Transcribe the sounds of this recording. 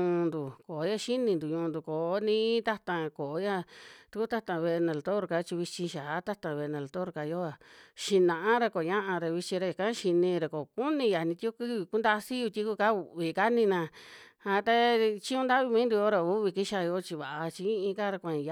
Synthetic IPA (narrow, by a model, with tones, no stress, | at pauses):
ũ˧nd̪u˨ko˨˦ja˧ʃi˦nĩ˧nd̪u˨ɲũ˧nd̪u˨ko˨˦nĩ˦t̪a˦t̪ã˧ko˨˦ja˦˧t̪u˧ku˦t̪a˦t̪ã˧βe˧e˧nã˧lt̪o˦ɾka˧˦t͡ʃi˧βi˧t͡ʃĩ˧ʃaː˨˦t̪a˦t̪ã˧βe˧nã˨˧˨lt̪o˦ɾka˧jo˦a˨ʃi˧nã˨ʔã˦ɾa˧ko˨ɲã˦ʔã˧ɾa˧βi˧t͡ʃĩ˧ɾa˧i˨kã˦ʃi˧nĩ˧ɾa˧˨ko˨ku˦nĩ˧ja˨nĩ˧t̪i˦o˦ki˦βi˧ku˦nd̪a˧si˦ju˧t̪ʲi˧˦ku˧ka˦u˧˨βi˧˨ka˦nĩ˧nã˧a˧t̪a˦t͡ʃĩ˦ũ˧nd̪a˦βi˧mĩː˦nd̪u˧o˦ɾa˧u˦βi˧ki˦ʃa˧jo˧˦t͡ʃi˧βa˨ʔa˧t͡ʃi˧ĩ˦ʔĩ˧ka˦ɾa˧kʷã˧˨j